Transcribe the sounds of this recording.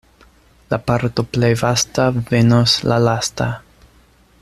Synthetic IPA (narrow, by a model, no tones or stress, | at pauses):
lapaɾto̞plejvastave̞noslalasta